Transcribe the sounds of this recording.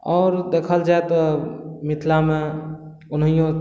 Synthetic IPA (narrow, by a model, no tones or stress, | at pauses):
ɔːɾd̪ekʰəld͡ʒaet̪ɔmit̪ʰlame | ʊnɦijõ